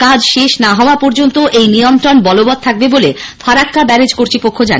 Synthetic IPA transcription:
kad͡ʑʃeʃnaɦɔoapɔɾd͡ʑont̪oʔejnijont̪ɾonbɔlobɔd̪̚t̪ʰak̚bebolefʰaɾakkabɛɾed͡ʑkoɾt̪ʰipokʰːod͡ʑa̰n

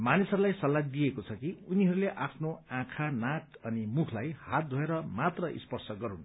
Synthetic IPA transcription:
manisɦʌɾulajsʌlːad̪ijekot͡sʰʌkiuniɦʌɾuleʔapʰnoãkʰanat | ʌnimukʰlajhat̪̚d̪ʱʌeɾʌmat̪rʌʔḭspʌrsʰʌɡʌɾun

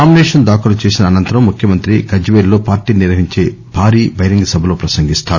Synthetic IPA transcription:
naːmineːʂɐnd̪aːkɐlut͡ʃe̞ːsinɐːnɐnt̪ɐɾɐmːukʰjɐmɐnt̪ɾiɡɐd͡ʒʋeːllo̞ːpaːɾʈiːniɾʋɐɦiɲt͡ʃe̞ː | bʱaːɾiːbʱɐjɾiŋɡɐsɐbʱɐlo̞ːpɾɐsɐŋɡist̪aːɾu

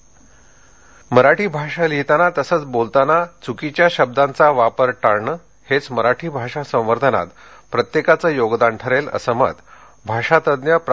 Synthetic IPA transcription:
məɾaʈʰiːbʱaʂaliɦt̪anat̪əsəːt͡sbolt̪anat͡sukit͡ɕjaɕəb̚d̪ãnt͡saʋapəɾʈaɾɳə | het͡sməɾaʈʰiːbʱaʂasə̃w̃ʋəɾd̪ʱəna̰t̪ | pɾət̪jekat͡səːjoɡd̪aɳʈʰəɾelə̰səmə̰t̪ | bʱaʂat̪əd̪njəp

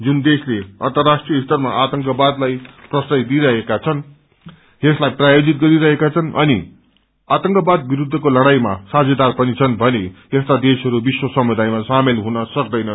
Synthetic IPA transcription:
d͡zund̪esleʌ̰nt̪ʌrːasʈrijʌist̪ʌrmaʔat̪ʌŋkʌbad̪lajprʌsʌjd̪iɾʌɦekat͡sʰʌn | eslajprajod͡zit̪̚ɡʌɾiɾʌɦekat͡sʰʌnʔʌ̰ni | at̪ʌŋkʌbad̪̚biɾud̪ʱːʌkolʌɽ̃ajmasad͡zʌd̪arpʌnit͡sʰʌnbʱʌne | est̪ad̪esɦʌɾubiswʌsʌmud̪ajmasamelɦunʌsʌkd̪ʌjnʌ

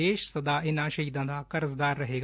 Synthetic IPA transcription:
eːʃsɐd̪aːɪnãːʃɐɦiːd̪ãːd̪aːkɐɾəzd̪aːɾːəɦeːɡ

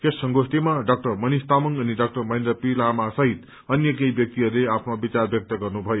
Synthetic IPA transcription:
kesːʌŋɡosʈ̪emaɖʌk̚ʈʌrmʌnist̪amʌŋʌniɖʌk̚ʈʌrmʌĩnd̪ɾʌpilamasʌɦit̪ | ʌnjʌkejbjʌk̚t̪iɦʌɾuleapʰnobit͡sarbjʌk̚t̪ʌɡʌrnubʱʌjo

